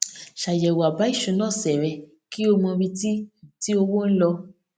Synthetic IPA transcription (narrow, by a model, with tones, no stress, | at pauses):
ʃa˨jɛ˨wa˨ba˨˦i˦˨ʃũ˧˦nãː˦˨sɛ˨ɾɛ˧˦ | ki˦o˧mɔ̃˧ɾi˧ti˦˨ti˦o˧wo˦n̩˦lɔ˧